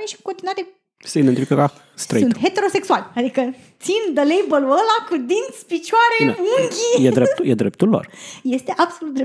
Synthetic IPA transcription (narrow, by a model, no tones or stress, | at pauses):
ɾeʃi̥ku̥kont̪inuad̪e | seid̪ent̪ifikəka | st̪ɾə̰iunt̪t̪ɦe̞t̪e̞ɾo̞se̞ksualʲad̪ikə | t̪sind̪əlejbələlakud̪int̪sʲpit͡ʃuaɾemuŋɡʲijed̪ɾept̪ujed̪ɾep̚t̪ulːo̰rje̞st̪e̞ʔab̥so̞lut̪d̪ɾe